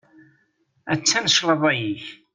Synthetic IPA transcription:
æt͡sːænəʃlˤəðˤæjiç

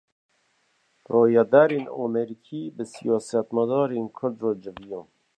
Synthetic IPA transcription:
roːjɑd̪aɾeːnɑ̰mɛɾikʰiːbɨsijɑːsat̪mad̪ɑːɾeːnkʰʊɾd̪roːd͡ʒɨvijom

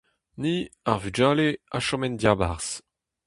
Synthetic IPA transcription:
niaʁvyd͡ʒaːleaʃɔmɛndjaːbaʁs

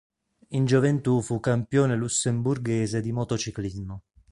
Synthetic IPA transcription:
ind͡ʒovent̪ufukːampjoːnelusːemburɡeːzed̪imot̪ot͡ʃiklizmo

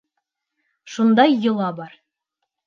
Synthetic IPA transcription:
ʃund̪ɑjːŏlˠɑbɑɾ

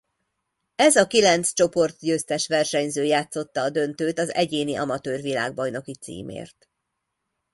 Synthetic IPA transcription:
ɛzɒkilɛnt̪st͡ʃo̞po̞rt̪ɟøːst̪ɛʃʋɛrʃɛɲzøːjaːt̪so̞t̪ːɒːd̪ø̞nt̪øːt̪ɒzɛɟeːniʔɒ̰mɒt̪øːrʋila̰ːɡ̚bɒjno̞kit̪sḭːmḛːrt̪

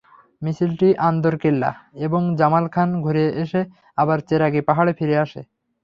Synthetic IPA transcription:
misilʈiʔand̪oɾkelːa̰eboŋd͡ʑamalkʰanɡʱuɾieʔeʃe | abaɾt͡ɕeɾaɡepaɦaɽepʰiɾeaʃe

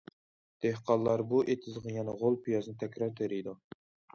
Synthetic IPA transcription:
d̪̥ehqʰɑlˠːɑɾbuʔet̪ʰɪzʁəjɛnɛʁolˠpʰijɑznɨt̪ʰɛkʲɾɑɾt̪ʰeɾɪjd̪u

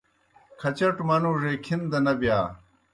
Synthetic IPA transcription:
kʰɐt͡ɕɐʈmɐnuʐeːkʰind̪ɐnɐbjaː

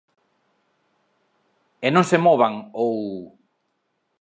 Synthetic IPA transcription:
enõŋsemɔβaŋow

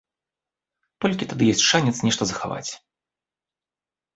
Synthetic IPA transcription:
t̪ɔlʲkʲit̪ad̪ɨjɔsʲtʲʂanʲɛt̪snʲɛʂt̪ɐzɐxa̰va̰t͡sʲ

